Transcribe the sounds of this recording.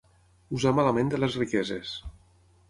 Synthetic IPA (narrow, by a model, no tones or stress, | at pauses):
uzamalamẽnd̪elezrikɛzes